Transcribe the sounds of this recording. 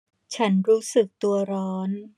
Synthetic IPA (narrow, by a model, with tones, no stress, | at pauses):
t͡ɕʰa˦˥nɾuː˦˥sɯ˨˩k̚t̪u˧ɐɾɔː˦˥n